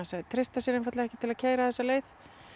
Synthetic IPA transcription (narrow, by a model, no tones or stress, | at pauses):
sat̪ʰɾɪst̪asɪːɾɪnfat̪laðɛhcɪt̪ʰɪlaðcʰeːjɾaðθɛsːaleːjθ